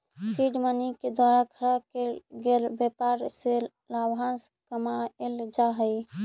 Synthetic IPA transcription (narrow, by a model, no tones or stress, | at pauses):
siɖməniked̪waɾaɡʰʱəɾəkeɡeɾbepaɾse | labɦans | kəmaeld͡ʒaɦəj